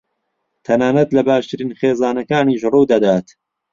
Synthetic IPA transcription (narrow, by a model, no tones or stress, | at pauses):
t̪ʰɐnaːnɐt̪lɐbaːʃt̪ɨɾiːnxeːzaːnɐkaːniːʃruːd̪ɐd̪aːt̪